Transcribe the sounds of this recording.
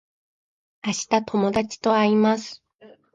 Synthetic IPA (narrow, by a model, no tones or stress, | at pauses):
aɕi̥t̪at̪ʰo̞mo̞d̪at͡ɕi̥t̪o̞aɾʲimasɨ̥